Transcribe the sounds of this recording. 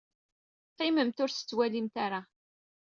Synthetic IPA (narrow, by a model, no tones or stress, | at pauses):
qːɪməmt̪ʊɾsə̥t͡sːwælimt̪aɾa